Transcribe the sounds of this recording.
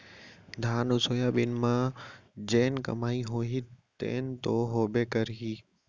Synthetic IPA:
d̪ʱaːnʊsoːjaɓɪnmãd͡ʑeːnkɐ̰maːiɦoːɦit̪ḛːnt̪oːɦoːbekɐɾɦiː

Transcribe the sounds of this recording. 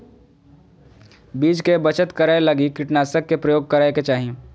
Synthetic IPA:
biːd͡ʒkebɐt͡ʃət̪kɐɾaelɐɡikɪʈnaːsəkːepɾɐjoːɡ̚kɐɾaːeket͡ʃaːɦi

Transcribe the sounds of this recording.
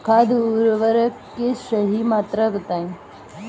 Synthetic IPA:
kʰad̪uɾʋəɾəkːesəɦimaːt̪ɾəbət̪aĩ

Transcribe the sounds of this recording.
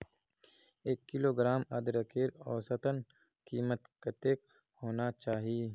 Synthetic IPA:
eːkːiloːɡɾaːmɐd̪ɾɐkeːɾɔːsɐt̪ən | kiːmət̪kɐt̪eːk̚ | hoːnat͡ʃaːɦiː

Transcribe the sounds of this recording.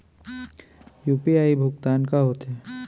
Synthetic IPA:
juːpiaːibʱʊkt̪aːnkaɦoːt̪ɦɛː

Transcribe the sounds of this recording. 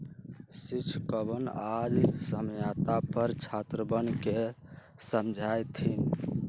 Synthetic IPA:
sit͡ʃʰkəbənalisəmjat̪apəɾt͡ʃʰat̪ɾəbənke | səmd͡ʒʱajt̪ʰin

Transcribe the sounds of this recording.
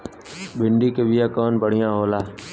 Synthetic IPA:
bʱɪɳɖikebɪjaːkɔːnbəɽ̤ɪjãɦoːlaː

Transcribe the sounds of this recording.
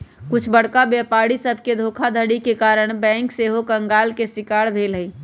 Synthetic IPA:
kʊt͡ʃʰbəɽ̤kabepaɽisəbʱked̪ʱoːkʰad̪ʱəɽikekaɾəɽ̃bɛ̃ːŋkseɦokəŋɡalkesɪkaɽbʱeːlɦəi

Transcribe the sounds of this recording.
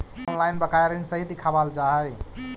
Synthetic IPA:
ɔnlajnbəkajɾənsəɦid̪ikʰabald͡ʒaɦəj

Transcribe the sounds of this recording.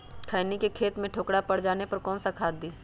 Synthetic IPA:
kʰaːjnikekʰeːt̪mẽʈʰoːkɽapɐɽ̤d͡ʒaːnepɐɾkɔːnsakʰaːd̪̚ːiː

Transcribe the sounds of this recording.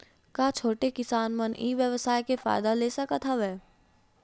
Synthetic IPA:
kaːt͡ʃʰoːʈekɪsaːnməniːʋjəʋsaːjkefa̰ːɪd̪aleːsɐkat̪ʰaʋɛː

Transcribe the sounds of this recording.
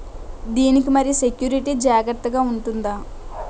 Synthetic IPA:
d̪iːnik̬imɐɾijuse̞kjuːɾiʈiːd͡ʒaːɡɐɾt̪ːɐɡaːuɳʈund̪aː

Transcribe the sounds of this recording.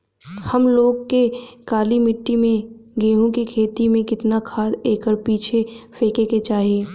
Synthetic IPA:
hɐmloːɡkekaːlimɪʈːimẽɡeːɦũkikʰeːt̪imẽkɪt̪nakʰaːd̪eːkəɾpiːt͡ʃʰefeːkeket͡ʃaːɦieː

